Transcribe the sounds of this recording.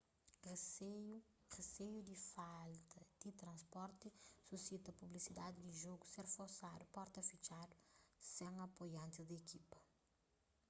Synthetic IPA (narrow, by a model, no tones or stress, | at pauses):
reseu | resejud̪ifalt̪ɐd̪̥it̪ɾɐ̃nspɔɾt̪isusit̪ɐpublisid̪ad̪id̪iʒoɡuseɾfoɾsad̪upɔɾt̪ɐfit͡ʃad̪usɛ̃ŋɐpojɐ̃nt̪id̪ekipɐ